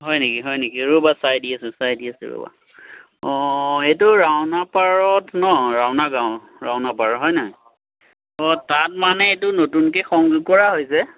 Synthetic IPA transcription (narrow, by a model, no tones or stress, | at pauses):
ɦɔjnekiɦɔjnekiɹubasajdiasɛsajdiasɛ̰ɹo̰ba̰ | ɔetʊɹawnapaɹɔtʰnɔɹawnaɡaw | ɹa̰wnapaɹɔtɦɔjnɔɦɔj | ɔtat̚manɛetʊnotunkexɔŋɡkɔɹaɦojsɛ